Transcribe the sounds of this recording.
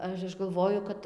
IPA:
ˈɐʃ ˈɐʃ ɡɐlˠˈʋoːjʊ kɐt

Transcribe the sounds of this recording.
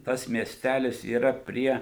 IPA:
ˈtɐs mʲiɛˈsʲtʲælʲɪs iːˈrɐ ˈpʲrʲiɛ

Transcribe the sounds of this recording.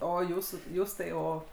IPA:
ˈoː ˈjuːsuː ˈjuːs tɐɪ ˈoː

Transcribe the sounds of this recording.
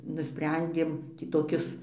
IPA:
nʊˈsʲpʲrʲɛnʲdʲeːm tʲiː toːˈkʲɪs

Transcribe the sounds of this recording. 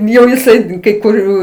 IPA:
jɛʊ jɪˈsɐɪ kɐɪ kʊˈrʲuː

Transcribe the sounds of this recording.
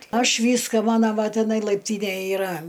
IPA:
ˈɐʃ ˈʋʲiːskɑː ˈmɑːnɐ ˈʋɐ tʲɪˈnɐɪ lˠɐɪpʲˈtʲiːnʲɛj ɪˈrɐ

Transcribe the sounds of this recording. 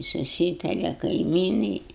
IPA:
sʊˈsʲiːtɐrʲɛ kɐɪˈmʲiːnɐɪ

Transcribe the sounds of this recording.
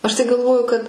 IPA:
ˈɐʃ tɐɪ ɡɐlˠˈʋoːjʊ kɐt

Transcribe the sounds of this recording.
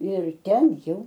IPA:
ɪr ˈtʲɛn ˈjɛʊ

